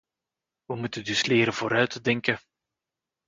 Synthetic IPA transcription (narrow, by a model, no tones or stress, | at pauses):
ʋəmutəndʏslɪːɾənv̥oːɾœɥtədɛŋkə